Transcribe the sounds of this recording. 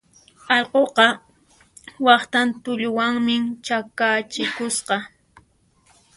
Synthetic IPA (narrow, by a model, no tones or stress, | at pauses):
ɑʎqoqɑ | wɑχt̪ant̪ʊʎʊwaŋmɪt͡ʃakat͡ʃɪkʊsqɑ